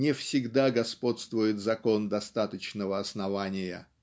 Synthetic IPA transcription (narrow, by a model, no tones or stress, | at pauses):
ɪfsʲɪɡd̪aɡɐspo̞t̪st̪vʊjɪt̪zɐko̞nd̪ɐst̪at̪ət͡ɕnəvəɐsnɐvanʲɪjə̰